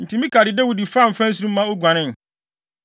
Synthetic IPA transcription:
n̩˨tʰĩ˦mĩ˦kʰa˨dɪ˨dɛ˦wu˨di˨fa˦˨m̩˨fæ̃˦n̩˦s̬u˦ɾũ˦m˦mːã˦o˦ɡʷã˨nɪ̃˦n˨

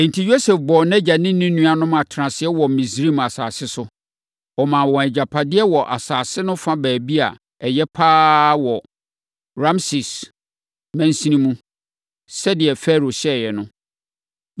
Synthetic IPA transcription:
ɛ̃˨n̩˨tʰi˨jo˦sɛ˨fbɔ˨nɛ̃˦d͡ʑa˨nɪ̃˦nĩ˦nũ˦a˨nʊ̃˦m˦a˨tʰɾã˨sɪ˨ɛ˦wɔ˨mĩ˨sɾi˦ma˨saː˨sɪ˦sʊ˦ | ɔ˨mã˨wɔ̃˨ɛ˨d͡ʑa˨pʰa˨dɪ˦ɛ˦wɔ˨ʔa̰˨saː˨sɪ˦nʊ̃˦fã˦bæː˨bi˦a̰˨ | ɛ˨jɛ˦pʰaː˦wɔ˨ | ɾã˦msɪ˨s | mæ̃˦n˦sĩ˦nĩ˦mũ˦ | sɛ˦dɪ˨ɛ˨fɛ˦ɾo˨ɕɛ˦˨jɛ˨nʊ̃˦

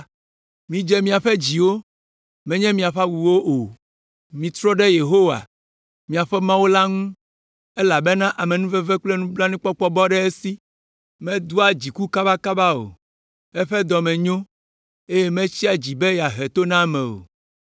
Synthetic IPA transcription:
mĩ˨d͡ʒɛ˦mĩ˨a˨ɸɛ˦d͡ʑi˨wo˦ | mɛ̃˦ɲɛ̃˦mĩ˨a˨ɸa˦wu˨wo˦ʔo˨ | mĩ˨t̪ɾɔ˦ɖɛ˦je˨ɦo˦wa̰˨ | mĩ˨a˨ɸɛ˦mã˦wo˦la˦ŋũ˦ | ɛ˦la˨bɛ˦nã˦ʔa˨mɛ̃˨nũ˦vɛ˦vɛ˦k͡plɛ˦nũ˦bla˦nũ˦k͡pɔ˦k͡pɔ˦bɔ˦ɖɛ˦e˦si˦ | mɛ̃˦d̪u˦a˨d͡ʑi˨ku˦ka˦ba˦ka˦ba˦o̰˨ | ɛ˦ɸɛ˦d̪ɔ˨mɛ̃˨ɲõ˦ | e˦je˦mɛ̃˦t͡ɕi˦a˨d͡ʑi˨bɛ˦ja˨ɦɛ˨t̪o˦nã˦˨mɛ̃˨o̰˨

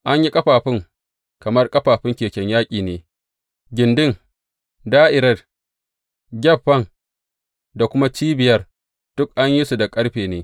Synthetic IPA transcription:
ʔa˦ɲji˦kʼɐ˦ɸaː˨ɸɪ˦ŋ | kɐ˨mɐ˦rkʼɐ˦ɸaː˨ɸɪ˦ŋkʲeː˨kʲɛ˦ɲjaː˦kʲʼiː˨neː˨ | ɡʲɪ˨ndɪ˦˨ŋ | daː˦ʔɪ˨ɾɐ˦d | ɡʲɛ˦˨ɸːɐ˦˨ŋ | da˨kʷʊ˦ma˦t͡ʃiː˦bɪ˨jɐ˦r | d̥ʊ˦k̚ʔa˦ɲji˦su˨da˨kʼɐ˦ɽɸeː˨neː˦

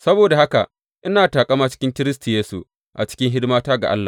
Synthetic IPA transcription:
sɐ˦boː˨da˨ha˦ka̰˨ʔ | ʔɪ˦naː˨taː˨kʼɐ˦maː˦t͡ʃɪ̥˦kʲɪ˦ŋkʲɪ˦ɾɪ˦stu˨jeː˦sṵ˨ | ʔa̰˨t͡ʃɪ̥˦kʲɪ˦ŋɦɪ˦dmaː˦taː˦ɡa˨ʔa̰˦lːa̰ː˨

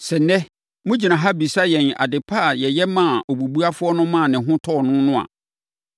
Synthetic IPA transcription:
sɛ˨nɛ̃˦ | mʊ̃˦d͡ʑi˨nã˨ɦa˦bi˨sa˦jɛ̃˨na̰˨dɪ˨pʰa˦˨jɛ˨jɛ˦mã˦˨o˨bu˨bu˦a˦fʊ˦ɔ˦nʊ̃˦mã˦˨nɪ̃˨ɦʊ̃˦tʰɔ˦˨nʊ̃˦nʊ̃˦a̰˨

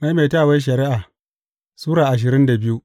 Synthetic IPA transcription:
ma˦jmeː˨taː˦˨wa˦ʃ̬ɐ˨ɾɪ˦ʔaː˨ | suː˦ɽaː˨ʔa˨ʃ̬ɪ˨ɾɪ˦nda˨bɪ˦ju˦

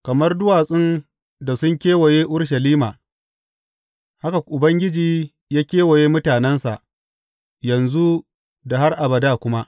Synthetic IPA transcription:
kɐ˨mɐ˦rdʊ˦waː˨sʼɪ˦n | da˨sʊ˦ŋkʲeː˦wɐ˨jeː˦ʔʊ˦ɽʃ̬ɐ˨liː˦maː˨ | ha˦ka˨ʔʊ˨bɐ˦ŋɡʲɪ˦d͡ʒiː˦ | jaː˦kʲeː˦wɐ˨jeː˦mʊ˦taː˨nɛ˦nsa̰˨ʔ | jɐ˨nzu˦ | da˨ɦa˦rʔa˨bɐ˨daː˦˨kʷʊ˦ma˦ʔ

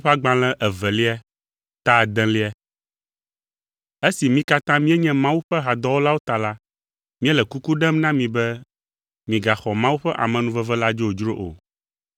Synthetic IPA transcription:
ɸɛ˦a˦ɡ͡bã˦lɛ̃˦ʔɛ˨vɛ˨li˦ɛ˦ | t̪a˦˨d̪ɛ̃˦li˦ɛ˦ | e˦si˨mĩ˦ka˦t̪ã˦mĩ˦ɛ˦ɲɛ̃˦mã˦wu˦ɸɛ˦ɦa˨d̪ɔ˦wo˦la˦wo˦t̪a˨la˦ | mĩ˦ɛ˦lɛ˨ku˦ku˦ɖɛ̃˦mnã˦mĩ˨bɛ˦ | mĩ˨ɡa˨xɔ˨mã˦wu˦ɸɛ˦ʔa̰˨mɛ̃˨nũ˦vɛ˦vɛ˦la˦d͡ʒo˦o˨d͡ʒɾo˦ʔo̰˨

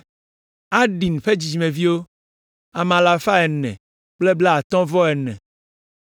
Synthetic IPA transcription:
a˦ɖi˨n˨ɸe˦d͡ʑi˨d͡ʒi˨mẽ˨vi˦wo˦ | a˨mã˨la˨fa˦ɛ˨nɛ̰̃˨ | k͡ple˦ble˦a˨t̪ɔ̃˦vɔ˦ɛ˨nɛ̰̃˨

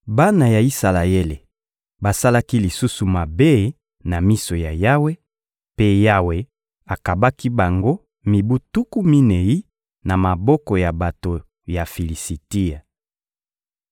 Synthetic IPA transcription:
ba˦na˨ja˨i˦sa˨la˨je˦le˨ | ba˨sa˦la˦ki˦li˨su˦su˨ma˨be˦ | na˨mi˦so˨ja˨ja˦we˦ | pe˦ja˦we˨ | a˨ka˨ba˦ki˦ba˨ŋɡo˦ | mi˨bu˦tu˦ku˦mi˦ne˨ji˦ | na˨ma˨bɔ˦kɔ˨ja˨ba˨to˨ | ja˨fi˨li˨si˨ti˦a˨

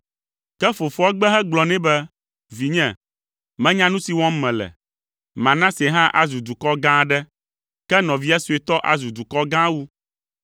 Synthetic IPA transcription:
kɛ˦fo˨fo˦a˦ɡ͡bɛ˦ɦɛ˦ɡ͡blɔ˨nɛ̃˦bɛ˦ | vi˨ɲɛ̃˨ | mɛ̃˦ɲã˦nũ˦si˨wɔ̃˦m˦mɛ̃˨lɛ̰˨ | mã˨nã˦sɛ˨ɦã˦ʔa˦zu˨d̪u˨kɔ˦ɡã˦ɖɛ˦ | kɛ˦nɔ̃˨vi˦a˦su˨e˨t̪ɔ˦ʔa̰˦˨zu˨d̪u˨kɔ˦ɡã˦wu˦

